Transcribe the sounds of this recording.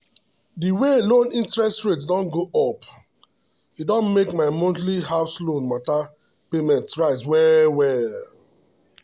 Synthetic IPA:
diwelõnĩntɹɛstɹetsdɔ̃nɡoʔɔp | idɔ̃nmekmaɪmɔ̃ntliɦafslõnmata | pemɛ̃ntɹaɪswɛwɛ

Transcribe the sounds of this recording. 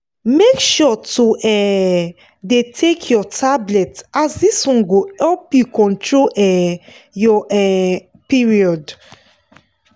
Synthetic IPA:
mekʃɔtuʔɛ | detʰekʰjɔtʰablɛtasdisɔ̃nɡoɛlpjukʰɔ̃ntɹoʔɛjɔʔɛ | piɹiɔd

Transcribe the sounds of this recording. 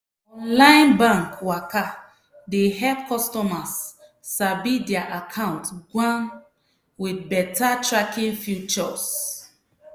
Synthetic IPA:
ɔ̃nlaɪ̃nbãŋkwaka | deɦɛpkɔstɔmasː | abidɛaʔakʰãʊ̃ntɡwãn | widbɛtatɹakĩŋfjut͡ʃɔs

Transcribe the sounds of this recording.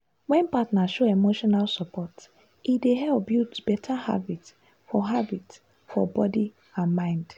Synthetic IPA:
wɛ̃npatnaʃoemoʃɔnalsɔpɔt | ideɦɛlp̚bjutbɛtʰaha̰bit | fɔɦabit | fɔ̰bɔdi | ãnmãɪ̃nd

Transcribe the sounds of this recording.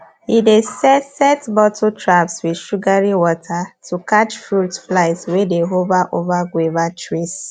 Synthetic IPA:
idesɛsɛtbɔtʰotɹapswidʃuɡaɹiwɔtʰatukat͡ʃfutflaɪtswedeɦovaʔovaɡwevatɹis

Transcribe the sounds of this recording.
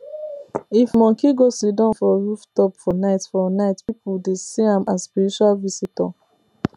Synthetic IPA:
ifmɔ̃ŋkiɡosidɔ̃nfɔɹuftɔpfɔnaɪtfɔnaɪtpipuldesiãmaspiɹit͡ʃualvisitɔ̰

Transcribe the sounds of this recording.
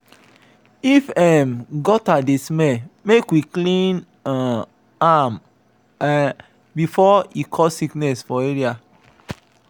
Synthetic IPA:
ifɛmɡɔtadesmɛmekwiklĩn | ã | am | bifɔikʰɔsiknɛsfɔeɹia

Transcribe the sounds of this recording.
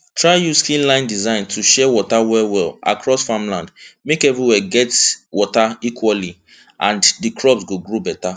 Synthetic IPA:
tʰɹaɪjuskĩllãɪ̃ndizãɪ̃ntʰuʃɛwɔtawɛwɛla̰kʰɹɔsfãmlãndmekɛvɹiwɛɡɛtwɔtaikʰwali | ʔã̰ndikʰɹɔbsɡoɡɹobɛta

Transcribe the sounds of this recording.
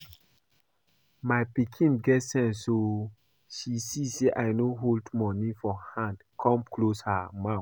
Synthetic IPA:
majpikʰĩnɡɛtsɛ̃nsːo | ʃisiseʔajnoɦoldmɔnifɔhãndkʰɔ̃mkloshamaf

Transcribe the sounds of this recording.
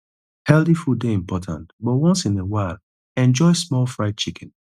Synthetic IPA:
hɛlθifudeĩmpɔtʰã̰ntbɔtwɔ̃nsĩnewaɪlˠ | ɛ̃nd͡ʒɔɪsmɔlfɹaɪt̚t͡ʃikʰɛ̃n

